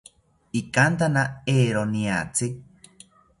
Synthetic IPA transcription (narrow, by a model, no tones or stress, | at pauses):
ikant̪anaeːɾonĩa̰t͡si